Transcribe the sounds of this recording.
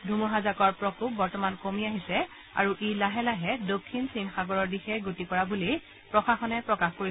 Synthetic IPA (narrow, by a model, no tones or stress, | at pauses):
dʱumuɦazakɔɹpɹɔkup̚bɔɹtɔmankomiaɦisɛ | a̰ɹuʔelaɦɛlaɦɛdokʰːinsinxaɡɔɹɔɹdixɛɡotikɔɹabuli | pɹɔxaxɔnɛpɹɔkaxkoɹi